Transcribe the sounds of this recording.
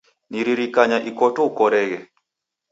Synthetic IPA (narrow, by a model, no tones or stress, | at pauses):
niɾiɾikaɲaʔikɔtɔukɔɾɛɣɛ